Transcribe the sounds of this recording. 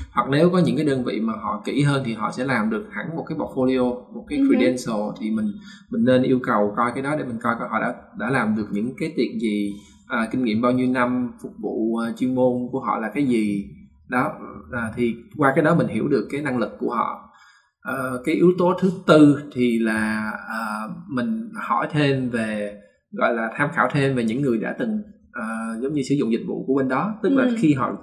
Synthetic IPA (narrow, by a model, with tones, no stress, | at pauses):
hwa˨˩k̚ne˨˦wkɔ˨˦ɲɨ̰˧˥ŋkaː˨˦jɗəː˧nvḭ˧˨maː˨˩ɦɔ̰˧˨kḭ˧˩ɦəː˧nt̪ʰi˨˩ɦɔ̰˧˨sɛ̰˧˥laː˨˩mɗɨ˨˩ək̚ha˧˩ŋmo˨˩t̚kaː˨˦jɓɔ˨˩t̚fo˧li˧o˧mo˨˩t̚kaː˨˦jkɹi˧ɗɛ˧nso˨˩t̪ʰi˨˩mï˨˩ŋ̟mï˨˩ŋ̟ne˧nʔi˧əwkə˨˩wkɔ˧jkaː˨˦jɗɔ˨˦ɗe˧˩mï˨˩ŋ̟kɔ˧jkɔ˧˩˦hɔ̰˧˨ɗa̰ː˧˥ɗa̰ː˧˥laː˨˩mɗɨ˨˩ək̚ɲɨ̰˧˥ŋkaː˨˦jt̪ḭ˨˩ənzi˨˩ | ʔəː˨˩kï˧ŋ̟ŋḭ˧˨mɓaː˧wɲi˧wna˧mfʊ˨˩k͡p̚vṵː˧˨˩t͡ɕwi˧ŋmo˧nku˧˩əɦɔ̰˧˨laː˨˩kaː˨˦jzi˨˩ | ɗɔ˨˦ʔəː˨˩t̪ʰi˨˩kwaː˧kaː˨˦jɗɔ˨˦mï˨˩ŋ̟ɦḭ˧˩əwɗɨ˨˩əkːaː˨˦jna˧ŋlɨ˨˩kːu˧˩əɦɔ̰˧˨ | ʔəː˨˩kaː˨˦jʔi˨˦əwt̪o˨˦t̪ʰɨ˨˦t̪ɨ˧t̪ʰi˨˩laː˨˩ʔəː˨˩mï˨˩ŋ̟hɔ˧˩jt̪ʰe˧mve˨˩ | ɣɔ̰˧˨jlaː˨˩t̪ʰaː˧mxaː˧˩wt̪ʰe˧mve˨˩ɲɨ̰˧˥ŋːɨ˨˩əjɗa̰ː˧˥t̪ɨ˨˩ŋ | ʔəː˨˩zə˨˦wŋ͡mɲɨ˧sɨ̰˧˩˦zʊ̰˧˨ŋ͡mzï˨˩k̟̚vṵ˧˨ku˧˩əɓe˧nɗɔ˨˦t̪ɨ˦˥k̚laː˨˩xi˧ɦɔ̰˧˨